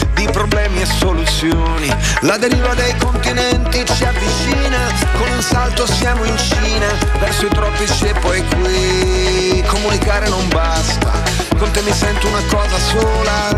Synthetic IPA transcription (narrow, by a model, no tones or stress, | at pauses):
d̪ipɾoblɛːmiɛsːolut̪sːjoːni | lad̪eɾiːvad̪ejkont̪inɛnt̪it͡ʃiavːit͡ʃ | iːna | konunsalt̪osjaːmoint͡ʃiːnavɛrsoit̪ɾɔpːit͡ʃiepːɔjkwi | komunikaːɾenombast̪a̰ | kont̪emːisɛnt̪unakɔːzasoːla